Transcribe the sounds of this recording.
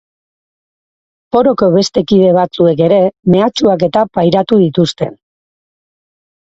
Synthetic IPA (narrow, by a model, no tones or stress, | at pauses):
po̞ɾo̞ko̞β̞e̞st̪e̞kiðe̞β̞at͡sue̞ke̞ɾe̞me̞at͡ʃuake̞t̪apajɾat̪uðit̪ust̪e̞̰n